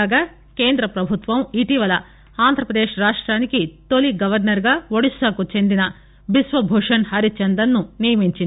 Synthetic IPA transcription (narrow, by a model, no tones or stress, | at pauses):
aːɡaː | ke̞ːnd̪ɾɐpɾɐbʱut̪ʋɐmiʈiʋɐlɐ | aːnd̪ʱɾɐpɾɐd̪eːʂɾaːʂʈɾaːnikit̪o̞liɡɐʋɐɾnɐɾɡaːʋoɽisɐːkut͡ʃe̞nd̪inɐ | bisʋɐbʱuːʂɐnhɐɾit͡ʃɐnd̪ɐnːunijɐmiɲt͡ʃind̪